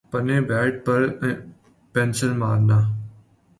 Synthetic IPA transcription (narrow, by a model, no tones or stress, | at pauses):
pənẽːbɛːʈ̚pəɾ | pɛ̃ːnsəɾma̰ːɾnaː